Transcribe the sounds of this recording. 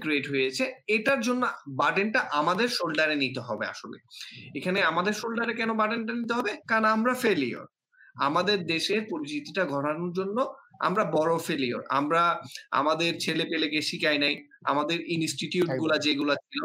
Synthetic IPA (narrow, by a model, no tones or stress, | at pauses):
kɾeʈɦojet͡ɕʰeeʈaɾd͡ʑonːobaʈenʈaʔamad̪eɾʃolɖaɾenit̪eɦɔbḛa̰ʃo̰lḛekʰaneamad̪eɾʃolɖaɾekɛnobaʈenʈanit̪eɦɔbekanaamɾafelio̰ɾ | a̰mad̪eɾd̪eʃeɾpoɾit͡ɕit̪iʈaɡʱɔɾanoɾd͡ʑonːoa̰mɾabɔɾofelio̰ɾa̰mɾaa̰mad̪eɾt͡ɕʰelepelekeʃikajnaja̰mad̪eɾinsʈiʈiuʈɡulad͡ʑeɡulat͡ɕʰilo